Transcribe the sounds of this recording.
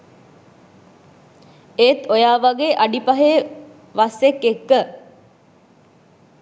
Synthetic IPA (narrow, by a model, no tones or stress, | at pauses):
eːt̪ojaːʋaɡeːʔaɖipaɦe | ʋasekːekːə